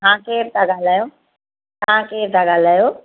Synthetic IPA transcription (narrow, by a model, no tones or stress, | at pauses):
ɦãːkeːɾt̪ʰãɡaːl̤aːjoː | ɦãːkeːɾt̪ʰãɡaːl̤aːjoː